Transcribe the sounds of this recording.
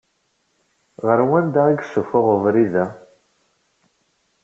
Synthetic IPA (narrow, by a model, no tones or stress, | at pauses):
ʁəɾwænd̪aiɡsəfʊʁəvɾiðæ